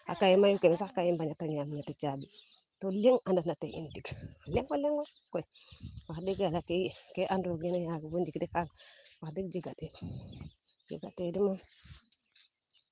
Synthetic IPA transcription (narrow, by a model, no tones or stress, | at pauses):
a̰kajimajukemsakajimbaɲataɲjaminatit͡ʃabi | toleŋandunateʔḭntikleŋɡoleŋɡokoiwakdikalakekeʔandɾoɡinjaɡubund͡ʒikdikaɡwakdikd͡ʒiɡate | d͡ʒḭɡa̰tedimon